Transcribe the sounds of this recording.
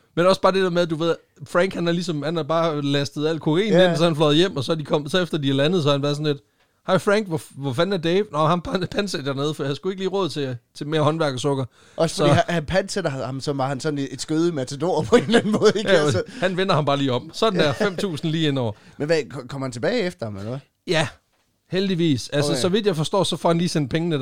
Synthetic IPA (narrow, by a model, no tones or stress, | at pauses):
menɒ̽sb̥ɑ̈ːd̥e̝d̥eɐmeðˠd̥uʋe̝ð̰ˠ | fʁæŋ̰ɡ̥hænæɐlis̬ɒ̽mhænæɐb̥ɑ̈ːlæsd̥ð̞̩ˠæl̰kʰoḛːnensɒ̽hænflɒðˠjem̰ɒ̽sɒd̥ikʰɒ̽m̰sɒ̽efd̥ɐd̥iæɐlænð̩ˠs̬ɒ̽hænbæsnle̝d̥ | hɑɪfʁɑŋ̰ɡ̥ʋɒʋɒfænæɐd̥eʋnɒhænpʰnpʰænsed̥æɐne̝ðˠfd̥iːhænsɡ̥ue̝ɡ̥əliːʁɔ̽ːð̩ˠt͡sʰe̝t͡sʰe̝me̝ːɐɦɒ̽nʋæɐɡ̥ɐsɔɡ̥ɐ | ɒssfɒdḭhænpʰænsed̥ɐhɑ̈msɒ̽mʋɑ̈hænsɒ̽d̥n̩e̝d̥sɡ̥øð̞ˠəmæt͡sʰed̥o̝ɐ̰pʰɔ̽e̝̰ːnlæn̩mɔ̽ːð̩ˠeɡhænʋenɐhɑ̈mbɑ̈ːliːɒ̽m̥sɒ̽d̥n̩æɐfem̰t͡sʰṵːsn̩liːenɒ̰ɐmenʋækkʰɒm̰hænt͡sʰe̝b̥ɛːɪefd̥ɐhɑ̈melɐ | jæ | held̥iʋḭːsælsəsɒ̽ʋid̥jɑɪfɒ̽sd̥ɒ̰ːsɒ̽fɒhænliːsen̰d̥̚pʰeŋənə